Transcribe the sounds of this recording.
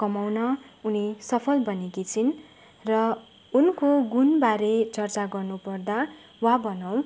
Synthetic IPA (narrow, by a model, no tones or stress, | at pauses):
kʌmawnʌunisʌpʰʌlbʱʌnekit͡sʰin | rʌ | unkoɡunbaɾet͡sʌrt͡saɡʌrnupʌrd̪a | wabʌnaw̃